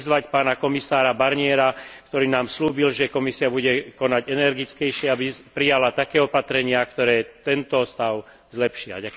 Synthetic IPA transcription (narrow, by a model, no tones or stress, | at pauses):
zʋacpaːnakɔmisaːɾabaɾɲɪɛɾakt̪ɔɾiːnaːmsluːbilʒɛkɔmisiabuɟɛkɔnaɟɛnɛɾɡit͡skɛjʃɪɛabipɾijalat̪akɛːɔpat̪ɾɛɲɪakt̪ɔɾɛːt̪ɛnt̪ɔst̪aʊ | zlɛpʃia̰ɟa